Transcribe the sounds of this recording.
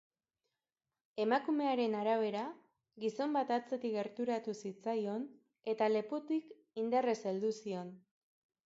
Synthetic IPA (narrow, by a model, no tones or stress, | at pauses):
e̞makume̞aɾe̞naɾaβ̞e̞ɾa | ɣiso̞mbat̪at͡se̞t̪iɣe̞ɾt̪uɾat̪usit͡sajo̞n | e̞t̪ale̞put̪ik | ind̪are̞seld̪usio̞n